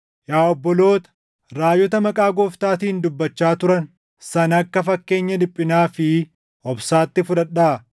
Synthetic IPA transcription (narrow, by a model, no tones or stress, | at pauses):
jaːɔbːɔlo̞ːt̪ɐ̥ | ɾaːjːɔt̪ɐmɐkʼaːɡoːft̪aːt̪iːnd̪ʊbːɐt͡ʃːaːt̪ʊɾɐn | sɐnɐkːɐfɐkːe̞ːɲːɐd̪ɪpʼːɪnaːfɪ | ɔbsaːt̪ːɪfʊᶑɐɗːaː